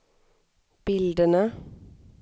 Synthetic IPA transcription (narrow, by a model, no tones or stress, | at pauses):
b̥ɪld̪ənə